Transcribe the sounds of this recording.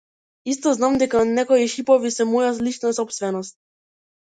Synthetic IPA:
ist̪ɔznamd̪ɛkanɛkɔjiʃipɔvisɛmɔjaslit͡ʃnasɔpst̪vɛnɔst̪̚

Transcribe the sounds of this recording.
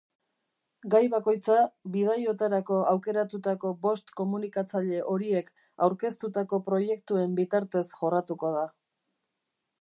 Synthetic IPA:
ɡajβako̞jt͡saβið̞ajo̞t̪aɾako̞awke̞ɾat̪ut̪ako̞bo̞st̪ko̞munikat͡saʎe̞ʔo̞ɾie̞k | awɾke̞st̪ut̪ako̞pɾo̞je̞k̚t̪ue̞mbit̪aɾt̪e̞sʝo̞rat̪uko̞ð̞a

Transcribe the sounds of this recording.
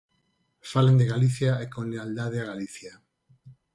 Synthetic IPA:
falend̪eɣaliθjaekõnleald̪aðeaɣaliθja

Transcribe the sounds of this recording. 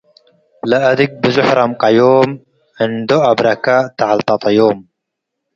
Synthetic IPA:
laʔad̪ik̚bɪzʊħɾˤɑmqɑjoːm | ʕənd̪oʔabɾˤɑkaʔt̪aʕalt̪ɑt̪ˤɑjoːm

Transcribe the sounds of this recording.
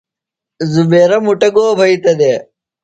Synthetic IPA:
zubeːɾɐmuʈɐɡoːbʱɐit̪ɐd̪e

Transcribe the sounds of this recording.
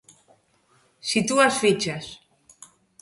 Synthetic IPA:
sit̪uasfit͡ʃas

